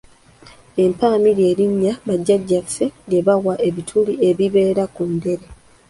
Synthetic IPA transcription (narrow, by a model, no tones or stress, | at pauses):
e̞mpaːmiɾje̞ːɾiɲːaβaɟːaɟːafe̞deβawaʔe̞βitʰulie̞βiβe̞ːɾakunde̞ɾe̞